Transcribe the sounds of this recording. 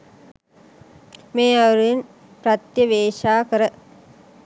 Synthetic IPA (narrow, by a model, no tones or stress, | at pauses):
meːɐʋɾin | prɐt̪jɐʋeːʃaːkəɾə